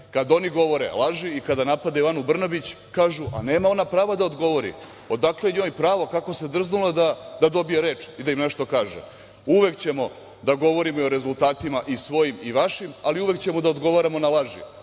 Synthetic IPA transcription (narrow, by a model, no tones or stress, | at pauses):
kad̪o̞niɡo̞ʋo̞ɾḛlˠaʒiikad̪anapad̪aiʋanubr̩nabit͡ɕ | kaːʒuʔa̰ne̞ːmao̞napɾaːʋad̪aod̪ɡo̞ʋo̞ɾḭ | od̪akleɲo̞ːjpɾaːʋokako̞se̞d̪r̩znulad̪ad̪ad̪o̞bijeɾe̞ːt͡ʃid̪aimne̞ʃt̪okaːʒḛ | uʋe̞kt͡ɕe̞mo̞ | d̪aɡo̞ʋo̞ɾimoio̞ɾe̞zult̪aːt̪imaʔisʋo̞jimiʋaʃimaliuʋe̞kt͡ɕemo̞d̪aod̪ɡo̞ʋaɾamo̞nalaʒḭ